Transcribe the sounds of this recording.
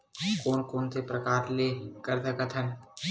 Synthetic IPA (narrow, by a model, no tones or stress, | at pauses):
koːnkoːnsepɾɐkaːɾlekɐɾd̪ɐkɐt̪ʰən